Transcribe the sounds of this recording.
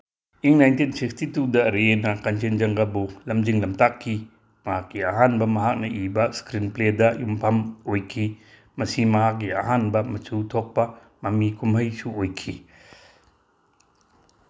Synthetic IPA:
iŋnajntinsik̚stitudɐɾenɐkɐnt͡ʃend͡ʒɐŋɡɐbulɐmd͡ʒiŋlɐmtakʰːi | mɐhakːiɐɦanbɐmɐɦak̚nɐʔibɐskɾinpledɐjumpʰɐmojkʰi | mɐsimɐɦakːiɐ̰ɦanbɐmɐt͡ʃutʰok̚pɐ | mɐmikʰumɦɐjsuojkʰi

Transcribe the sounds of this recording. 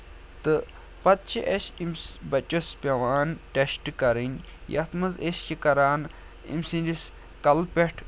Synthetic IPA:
t̪ɨ | pɐt̪̚t͡ʃʰiʔesʲimsbɐt͡ʃospʲɐʋaːnʈesʈɨkɐɾinʲ | jɐ̰t̪mɐzesʲt͡ʃikɐɾaːn | ḭmsindis | kɐlpʲeʈʰ

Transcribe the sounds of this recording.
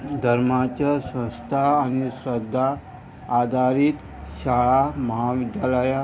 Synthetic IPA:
d̪ʱəɾmat͡ɕasə̃st̪ʰaːñisɾəd̪ʱːaː | d̪ʱaɾit̪ | ɕaɭaməɦaʋid̪jaləja

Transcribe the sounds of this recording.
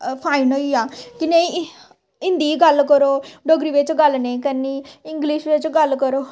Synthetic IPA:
pʰaːinoːiaːkinei | ɪ̃nd̪iːɡəlkəɾoːɖoɡɾiːʋet͡ʃɡəlnẽːkəniːɪ̃ŋɡliʃʋet͡ʃɡəlkəɾoː

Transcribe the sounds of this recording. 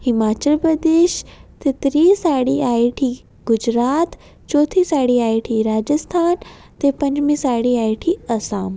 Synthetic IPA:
hɪmaːt͡ɕəlpɾɐd̪eːʃt̪et̪ɾiːsaːɽiaːiʈʰi | ɡʊd͡ʑɾaːt̪ | t͡ɕɔːt̪ʰisaːɽiaːiʈʰiɾaːd͡ʑəst̪ʰaːn | t̪epɐ̃ɲd͡ʑmĩsaːɽiaːiʈʰiɐsaːm

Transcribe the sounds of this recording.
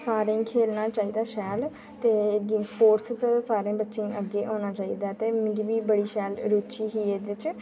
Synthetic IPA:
saːɾẽːkʰeːlnaːt͡ʃaːiːd̪aːʃɛːl | t̪eːɡispoːʈst͡ʃəsaːɾẽːbətːʃẽːʔəɡeːʔoːnaːt͡ʃaːiːd̪aːt̪eːmɪ̃ɡiːʋiːbəɽiːʃɛːlɾoːt͡ʃiːɦiːeːd̪ɪt͡ʃ

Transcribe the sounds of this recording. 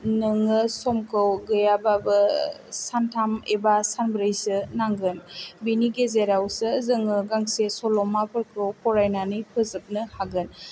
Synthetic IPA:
nɯŋɯsɔmkʰɯwɡɯjababɯsantʰamebasanbɾɯjsɯnaŋɡɯnbiniɡezeɾawsɯzɯŋɯɡaŋsesɔlɔmapɯɾkʰɯwpʰɔɾajnanipʰɯzɯp̚nɯhaɡɯn

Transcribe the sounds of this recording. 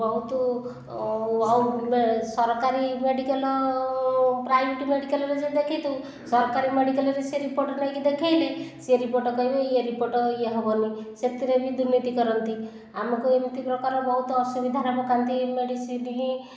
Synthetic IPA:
bɔɦut̪ɔ | awmesɔɾɔkaɾimeɖikelɔ | pɾajbʱiʈimeɽikalɔɾed͡ʒed̪ekʰejt̪ʰu | sɔɾɔkaɾimeɽikalɔɾeseɾipoɾʈɔnajkid̪ekʰajleseɾipoɾʈɔkɔjbɔieɾipoɾʈɔieɦɔbɔniset̪iɾebid̪uɾnit̪ikɔɾɔnt̪i | amɔkuemit̪ipɾɔkaɾɔbɔɦut̪ɔːsubid̪ʱanɔbɔkant̪imeɽisiniĩ

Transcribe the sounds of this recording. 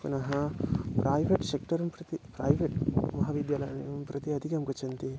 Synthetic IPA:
punɐɦɐpɾaːjʋeʈsek̚ʈɐɾɐmpɾɐt̪ipɾaːjʋeʈmɐɦɐʋid̪jaːlɐ̰jnɐjɐmpɾɐt̪iɐd̪ʱikɐmkɐt͡ʃɐnt̪i

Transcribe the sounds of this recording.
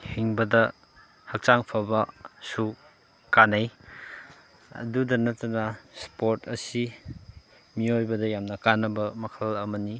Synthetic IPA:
hiŋbɐdɐ | hɐk̚t͡ʃaŋpʰɐbɐsu | kanaj | ɐ̰dudɐnɐtɐnɐspoɾtɐsi | miojbɐdɐjamnɐkanːɐbɐmɐkʰɐlɐmɐni

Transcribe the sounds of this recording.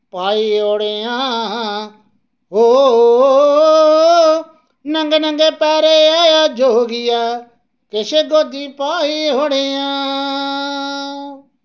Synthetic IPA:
paːiːɦoːɽejãːɦ | ɦoːo | nə̃ŋɡnə̃ŋɡeːpɛːɾeaːjaːd͡ʒoːɡɪjaː | keʃeːɡoːd̪iːpaːiɦoːɽejãː

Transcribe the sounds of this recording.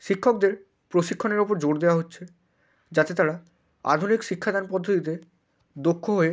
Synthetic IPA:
ʃikʰːok̚d̪eɾ | pɾoʃikʰːoneɾopoɾd͡ʑoɾd̪ewaɦotːɕʰe | d͡ʑat̪et̪aɾa | a̰d̪ʱunikʃikʰːad̪anpɔd̪ʱːot̪it̪e | d̪okʰːoɦoe

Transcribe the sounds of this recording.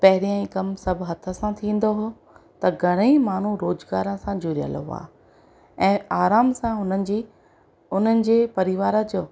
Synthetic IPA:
pɐɦɪɾijãĩːkɐmsɐbʱɦɐt̪ʰə̆sãt̪ʰĩːn̆d̪oɦo | t̪ɐɡʱɐɽ̃eimaːn̤uɾoːzɡaːɾə̃sãd͡ʑʊɾijə̰lə̰ʋa̰ː | ɛ̃ːaːɾaːmsãʊnəd͡ʑi | ʊn̤ənɪ̆d͡ʑeːpɐɾɪʋaːɾəd͡ʑoː

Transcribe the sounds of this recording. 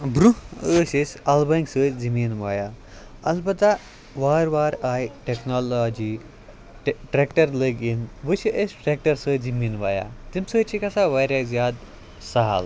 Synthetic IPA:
bɾuəːsesʲalbɐiŋɡsəːd͡zimiːnʋaja | ɐlbɐt̪a | ʋaːɾʋaːɾaːjʈeknalɔd͡ʑi | ʈɾekʈəɾləɡinʋəʃiʔesʈɾek̚ʈɐɾsəːd͡zimiːnʋaːja̰t̪imsət͡ʃʰikɐsaʋajɾazjaːd̪ | saɦa̰l

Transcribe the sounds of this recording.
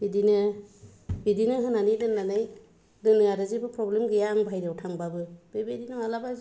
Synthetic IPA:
bidinɯ | bidinɯɦɯnanidɯnːanaj | dɯnɯaɾɯzibɯpʰɾɔblemɡɯjaŋbʱajɾawtʰaŋbabɯb̥ebedinɔwalabaz

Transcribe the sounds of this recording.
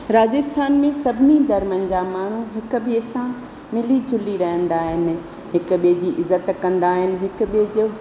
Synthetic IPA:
ɾaːd͡ʑəst̪ʰaːnmẽsɐbʱɪnid̪ɐɾmənɪ̆d͡ʑaːmaːɳ̤uɦɪk̆biəsã | mɪlid͡ʑʱʊliɾɐɦə̃nd̪aːɦɪnɪ̆ | ɦɪkʊ̆ɓid͡ʑiʔɪzət̪kɐ̃nd̪aːɦɪnɪ̆ɦɪkʊ̆ɓiɦd͡ʑʊ

